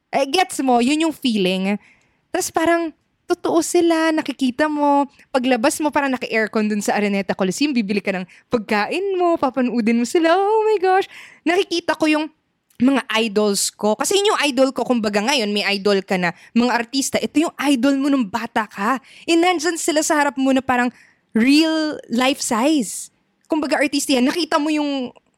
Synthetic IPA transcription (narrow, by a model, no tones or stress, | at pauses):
ʔɐɡɛt̪smo̞jʊnjʊŋfiːlɪŋ | t̪aspaːɾɐŋ | t̪ʊt̪oʔosɪlanɐkɪkiːt̪ɐmo̞ | pɐɡlɐbasmo̞paːɾɐŋnɐkɐʔɛɹkond̪ʊnsɐʔɐɾɪnɛt̪ɐkolɐsijʊŋbiːbɪlɪkɐnɐŋ | pɐɡ̚kaːʔɪnmo̞papɐnʊʔuːd̪ɪnmosɪlaʔomɐjɡoʃnɐkɪkiːt̪ɐko̞jʊŋ | mɐŋaʔajd̪o̞lsko̞kɐsɛjʊnjʊŋʔajd̪olko̞kʊmbɐɡaŋɐjo̞nmɐjʔajd̪o̞lkɐnɐmɐŋaʔɐɾt̪iːst̪ɐʔɛt̪o̞jʊŋʔajd̪olmonɐŋbaːt̪ɐkɐʔɛnɐnd͡ʒɐnsɪlasɐhɐɾap̚monɐpaːɾɐŋ | ɹilːajfsajs | kʊmbɐɡaʔɐɹt̪ist̪ɐjanːɐkiːt̪ɐmo̞jʊŋ